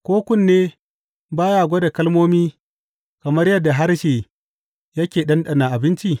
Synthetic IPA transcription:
kʷoː˦kʷʊ˦˨nːeː˦ | baː˦jaː˦˨ɡʷɐ˦da˨kɐ˦lmoː˦miː˦ | kɐ˨mɐ˦rjɐ˦dːa˨ɦa˦rʃeː˨ | jɐ˦kʲeː˨ɗɐ˦nɗɐ˦˨na˨ʔa˨bɪ˦nt͡ʃi˦

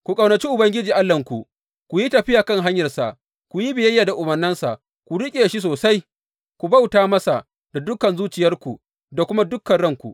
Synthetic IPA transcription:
kʷu˨kʼɐ˨wnɐ˨t͡ʃi˦ʔʊ˨bɐ˦ŋɡʲɪ˦d͡ʒiː˨ʔa˦lːɐ˨ŋkʷu˨ | kʷu˨ji˦tɐ˨ɸɪ˦jaː˨kɐ˦˨ŋɦa˦ɲjɐ˨rsa˨ʔ | kʷu˨ji˦bɪ˨jɐ˦jːaː˨da˨ʔʊ˨bɐ˨nːɪ˦nsa̰˨ʔ | kʷu˨ɽɪ˦kʲʼeː˨ʃi˦soː˨sa˦j | kʷu˨ba˦wtaː˦mɐ˦sa˨ʔ | da˨dʊ˦kːɐ˨nzuː˦t͡ʃɪ˨jɐ˦rkʷu˨ | da˨kʷʊ˦ma˦dʊ˦kːɐ˨nɽɐ˦˨ŋkʷu˨ʔ

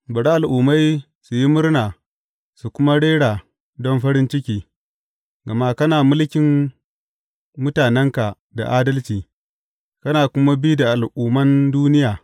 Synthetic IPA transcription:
bɐ˨ɽa˦ʔa˨lʔuː˨ma˦j | su˨ji˦mʊ˦rnaː˨ | su˨kʷʊ˦ma˦ɽeː˦ɽaː˨ | dɔ˦nɸɐ˦ɾɪ˦nt͡ʃɪ˦kʲiː˦ | ɡɐ˨ma˦kɐ˦naː˨mʊ˦lkʲɪ˨m | mʊ˦taː˨nɛ˦ŋka˨ | da̰˨ʔaː˦dɐ˦lt͡ʃiː˨ | kɐ˦naː˨kʷʊ˦ma˦bi˦da˨ʔa˨lʔuː˨mɐ˦nduː˦nɪ˦jaː˨

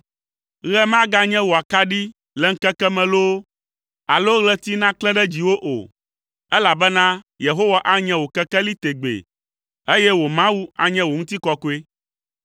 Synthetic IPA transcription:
ɣɛ˦mã˦ɡa˦ɲɛ̃˦wo˨a˨ka˦ɖi˦ | lɛ˨ŋ̩˦kɛ˦kɛ˦mɛ̃˨lo˦ | a˨lo˦ɣlɛ˦t̪i˦nã˦klɛ̃˦ɖɛ˦d͡ʑi˨wo˦ʔo̰˨ | ɛ˦la˨bɛ˦nã˦ | je˨ɦo˦wa˦ʔa˦ɲɛ̃˦wo˨kɛ˦kɛ˦li˦t̪e˨ɡ͡bḛ˨ | e˦jɛ˦wo˨mã˦wu˦a˨ɲɛ̃˦wo˨ŋũ˦t̪i˦kɔ˦ko˦e˦

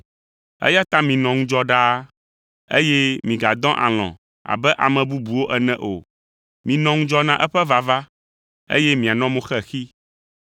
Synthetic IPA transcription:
ɛ̰˦ja˦t̪ã˦mĩ˨nɔ̃˨ŋũ˦d͡ʒɔ˦ɖa˦ | ḛ˦jɛ˦mĩ˨ɡa˨d̪ɔ̃˦ʔa̰˨l̃ɔ̰̃˨ | a̰˨bɛ˦ʔa̰˨mɛ̃˨bu˦bu˨wo˦ʔɛ˨nɛ̃˨ʔo̰˨ | mĩ˨nɔ̃˦ŋũ˦d͡ʒɔ˦nã˦ʔɛ˦ɸɛ˦va˨va˦ | ḛ˦jɛ˦mĩ˨a˨nɔ̃˦mõ˦xɛ˦xi˦

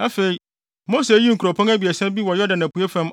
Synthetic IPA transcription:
a˦fe˨i˦ | mo˦se˨˦ji˦ŋ̩˨ku˨ɾɔ˨pʰɔ̃˦ŋæ˦bi˨ɛ˨sɛ̃˦m˦bi˦wɔ˨jɔ˦dã˨næ̃˨pʰu˨e˦fɛ̃˦m

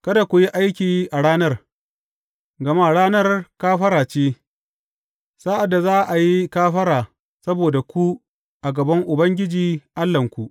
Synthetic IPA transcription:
kɐ˦da˨kʷu˨ji˦ʔa˦jkʲiː˨ʔa˨ɽaː˦nɐ˦r | ɡɐ˨ma˦˨ɽaː˦nɐ˦rkaː˦ɸɐ˦ɾaː˨t͡ʃeː˦ | saː˦ʔa˨dːa˨zaː˦ʔa˨ji˦kaː˦ɸɐ˦ɾaː˨ | sɐ˦boː˨da˨kʷu˦ | ʔa˨ɡɐ˨bɐ˦ŋʔʊ˨bɐ˦ŋɡʲɪ˦d͡ʒiː˨ʔa˦lːɐ˨ŋkʷu˨ʔ

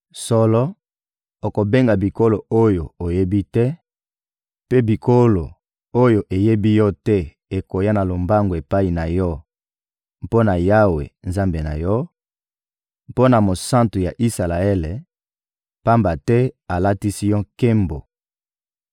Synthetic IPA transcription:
sɔ˦lɔ˦ | o˨ko˨be˦ŋɡa˨bi˨ko˦lo˨o˦jo˨o˨je˦bi˦tɛ˦ | pe˦bi˨kʰo˦lo˨ | o˦jo˨ʔe˨je˦bi˦jɔ˦tɛ˦ | e˨ko˨ja˦na˨lo˨mba˦ŋɡo˨e˨pa˦i˨na˨jɔ˦ | po˦na˨ja˦wḛ˨nza˦mbe˨na˨jɔ˦ | po˦na˨mo˨sã˦ntu˨ja˨ʔi˦sa˨la˨e˦le˨ | pa˦mba˨tɛ˦a˨la˦ti˦si˦jɔ˦ke˦mbo˨

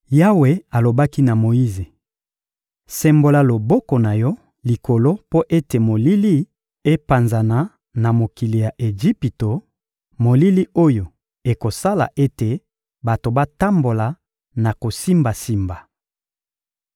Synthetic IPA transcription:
ja˦we˨a˨lo˨ba˦ki˦na˨mo˨ji˦ze˨ | sɛ˨mbo˨la˨lo˨bɔ˦kɔ˨na˨jɔ˦ | li˨ko˨lo˦po˦ʔe˦te˨mo˨li˦li˦ | e˦pa˨nza˨na˨ | na˨mo˨ki˨li˨ja˨ʔe˨ʒi˦pi˨to˨ | mo˨li˦li˦o˦jo˨ | e˨ko˨sa˦la̰˨ʔe˦te˨ | ba˨to˨ba˦ta˦mbo˨la˨ | na˨ko˨si˦mba˨si˦mba˨

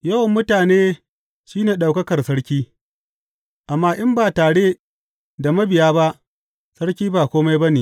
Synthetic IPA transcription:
jɐ˦wɐ˨mːʊ˦taː˨neː˦ | ʃiː˦neː˨ɗa˨wkɐ˦kɐ˨rsɐ˦ɽkʲiː˦ | ʔa˨mːaː˦ʔɪ˦mbaː˨taː˨ɽe˦ | da˨mɐ˦bɪ˨jaː˦ba˦ʔ | sɐ˦ɽkʲiː˦baː˨kʷoː˦ma˦jbɐ˦niː˨

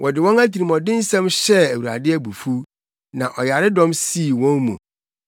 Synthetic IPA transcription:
wʔɔ˨dɪ˨wɔ̃˦næ˦tʰi˨i˨mɔ˨dɪ̃˦n̩˦sɛ̃˦mɕɛ˦æ˨wu˨ɾa̰˨dɪ˦æ˦bu˨fu˦ | nã˨ʔɔ˨ja˨ɾɪ˦dɔ̃˦msiː˦˨wɔ̃˦nmṵ̃˨

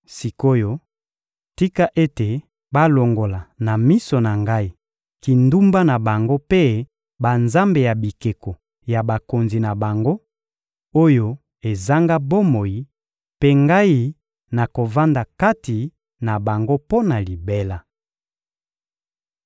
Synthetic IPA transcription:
si˨ko˦jo˦ | ti˦ka˦ʔe˦te˨ | ba˦lo˨ŋɡo˨la˨na˨mi˦so˨na˨ŋɡa˦i˦ | ki˨ndu˦mba˦na˨ba˨ŋɡo˦pe˦ | ba˨nza˦mbe˨ja˨bi˨ke˨ko˨ | ja˨ba˨ko˨nzi˨na˨ba˨ŋɡo˦ | o˦jo˦ | e˨za˦ŋɡa˦bo˦mo˨ji˨ | pe˦ŋɡa˦i˦ | na˨ko˨va˦nda˨ka˦ti˨ | na˨ba˨ŋɡo˦po˦na˨li˨be˦la˦

